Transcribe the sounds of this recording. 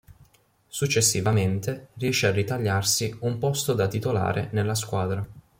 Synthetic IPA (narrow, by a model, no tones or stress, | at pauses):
sut͡ʃːesːivament̪erijɛʃearːit̪aʎːarsiumpɔst̪od̪at̪it̪ola̰ːɾḛnelːaskwaːd̪ɾa